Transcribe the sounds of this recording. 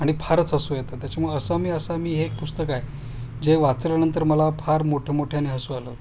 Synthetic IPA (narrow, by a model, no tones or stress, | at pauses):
aɽ̃ipʰaɾət͡səsujet̪ət̪jat͡ɕjamuəsamiːəsamiːɦeːk̚pust̪əkaj | d͡ʑeʋat͡slanənt̪əɾməlapʰaɾmoʈʰemoʈʰjaniɦəsualəː